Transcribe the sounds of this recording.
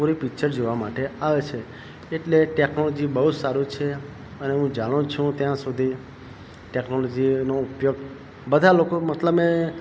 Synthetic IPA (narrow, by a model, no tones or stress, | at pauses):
puɾipikt͡ʃəɾd͡ʒoʋamaʈeaʋet͡ʃʰe | eʈleʈeknolɔd͡ʒibəɦud͡ʒsaɾut͡ʃʰe | əneɦũd͡ʒaɽ̃ũt͡ʃʰũt̪jãsud̪ʱi | ʈeknolod͡ʒinoupjoɡ | bəd̪ʱalokomət̪ləbe